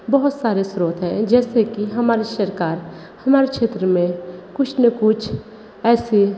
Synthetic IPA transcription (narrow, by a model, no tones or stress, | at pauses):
bəɦʊt̪saːɾesɾuːt̪ɦɛ̃d͡ʒɛːsekiɦɐmaːɾiʃəɾkaːɾ | hɐmaːɾekʃeːt̪ɾəmẽkʊt͡ʃʰnəkʊt͡ʃʰ | ɛːse